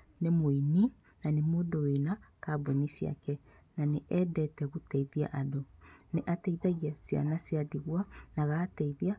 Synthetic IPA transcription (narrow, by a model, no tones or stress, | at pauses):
nemoini | nanemoːdowenakabonisia̰kɛ | naneʔɛdɛtɛɣutɛiðia̰ʔadoneʔatɛiðaɣiasia̰nasiadiɣwanaɣaːtɛiðia